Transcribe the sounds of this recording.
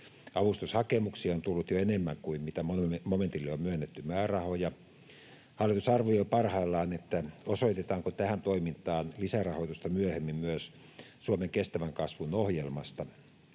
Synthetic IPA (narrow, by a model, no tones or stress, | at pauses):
ɑʋust̪ushɑkemuksiːont̪ulːut̪joenemːæŋkuimmit̪æomoment̪ilːiommyønːet̪ːymæːrɑhojɑ | hɑlːˑit̪usɑrʋijoipɑrhɑilːɑːnet̪ːæosoit̪et̪ɑːŋkot̪æhænt̪oimint̪ɑːnlisærɑhoit̪ust̪ɑmyøhemːimmyøs | suomeŋkest̪æʋæŋkɑsʋunohjelmɑst̪ɑ